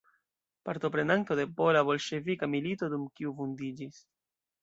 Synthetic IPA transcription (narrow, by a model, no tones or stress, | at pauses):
paɾt̪o̞pɾe̞nanto̞de̞po̞laβo̞lʃe̞vikamilito̞dumkiufundid͡ʒis